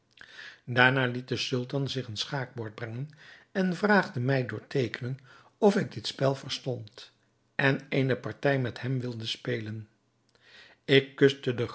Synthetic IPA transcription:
daːɹnaːlit̚dəsɵlˠtɑnzɪχənsχaːk̚bʊːɹt̚brɛŋənɛnvraːχdəmɛjdʊːɹtejkənən | ɔfɪɡ̚dɪtspɛlˠvəɹstɔnt | ʔɛnejnəpɑɹtɛjmɛthɛmʋɪlˠdəspejlən | ɪkːɵstədə

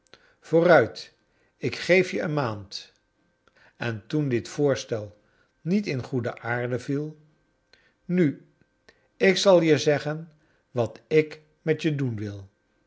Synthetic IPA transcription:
v̥oːrœɥt | ɪkχejfjəənmaːnt | ɛntundɪtfʊːɹstɛlˠ | nitɪnχudəʔaːɹdəvilˠ | ny | ɪksɑlˠjəzɛχən | ʋɑtɪk | mɛtjədunʋɪlˠ

